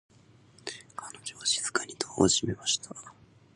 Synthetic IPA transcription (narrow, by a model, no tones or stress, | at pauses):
kʰanod͡ʑoβaʑiz̥ɨ̥kaɲ̟ʲit̪ʰoːo̰ʑime̞maɕi̥t̪ʰa